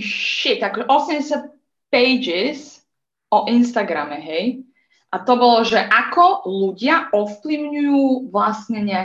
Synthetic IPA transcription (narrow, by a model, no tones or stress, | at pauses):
ʃit̪akɔʒɛʔɔsɛmɟɛs̬jat̪̚ | pɛjd͡ʒis | ɔʔinst̪aɡɾamɛɦɛj | ʔat̪ɔbɔlɔʒɛʔakɔluɟɪaɔfpliʊɲujuːʋlasɲɛɲɪa